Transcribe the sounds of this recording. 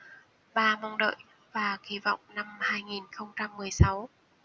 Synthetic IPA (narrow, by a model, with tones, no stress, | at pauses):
ɓaː˧ma˧wŋ͡mɗə̰ː˧˨j | vaː˨˩xi˨˦vɔ̰˧˨wŋ͡mna˧mhaː˧jŋi˨˩nxə˧wŋ͡mt͡ɕa˧mːɨ˨˩əjsa˨˦w